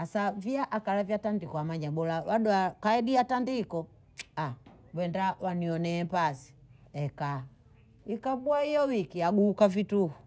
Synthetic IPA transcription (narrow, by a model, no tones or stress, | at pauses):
asaviaʔakalavjatandikɔamaɲabɔlawaɗuakaɛɗiatandikɔ | a | wɛndawaniɔnɛːpasi̥ɛka | ikabuaijɔwikiaɡuːkavituhu